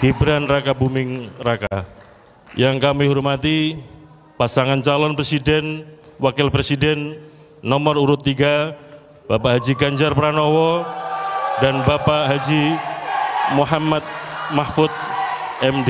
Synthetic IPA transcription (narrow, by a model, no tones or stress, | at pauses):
kibɾanrakabumɪŋraka | jaŋkamiɦɔrmat̪i | pasaŋant͡ʃalɔnpɾesidɛnwakɪlpɾesidɛnː | ɔmɔruɾʊt̪ːiɡa | b̥apaɦad͡ʒiɡaɲd͡ʒarpɾanɔwɔ | danbapaɦad͡ʒi | muɦamat̪̚ | mahfʊt̪̚ | ɛmde